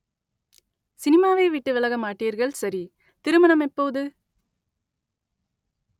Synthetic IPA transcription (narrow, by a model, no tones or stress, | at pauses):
sɪnɪmaːʋeːʋiʈːɯʋɪlɐɣɐmaːʈːiːɾɣɐɭsɐɾi | t̪ɪɾɯmɐnɐmɛpːoːðɯ